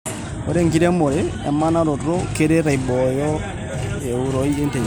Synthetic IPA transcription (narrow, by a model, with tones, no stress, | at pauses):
oɾe˦ŋki˦ɾɛ˦mo˨ɾea̰˨ma˦na˦ɾo˨ɾɾo˦ke˦ɾe˦ɾa˨i˨bɔjɔ˦ | e˨u˦ɾɔ˦ie˦nte˨